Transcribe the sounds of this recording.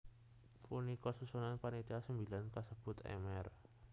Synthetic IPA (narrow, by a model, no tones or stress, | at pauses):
punikɔsusunanpanit̪asəmbilankəsəb̥ʊ̤t̪ɛ̰mɛr